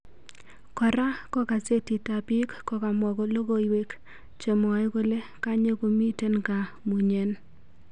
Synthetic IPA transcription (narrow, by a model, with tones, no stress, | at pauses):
kɔ˨ɾa˦kɔ˦ka˨se˦ti˨ta˨bɪ˦kkɔ˦ka˨mɔ˨ɡɔ˨lo˦ɡo˦i˨we˦k | t͡ʃo˨mɔ˨ɪ˦ɡo˦le˦ka˦ɲe˦ko˨mi˦te˦nka˨ | mu˨ɲe˦n